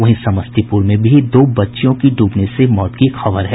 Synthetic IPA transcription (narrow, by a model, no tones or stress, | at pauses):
ɐɦĩsɐməst̪ipuːɾmẽbʱid̪oːbɐtːʃjõkiɖuːpnesemɔːt̪kixɐʋəɾɦɛ